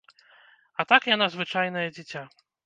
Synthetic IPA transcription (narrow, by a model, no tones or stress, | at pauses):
ɐt̪akjan̪azvɨt͡ʂajn̪ɐjɐd͡zʲit͡sʲa